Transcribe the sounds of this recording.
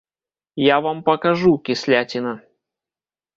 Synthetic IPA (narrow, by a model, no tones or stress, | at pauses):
javampɐkɐʐukʲɪsʲlʲatʲɪnɐ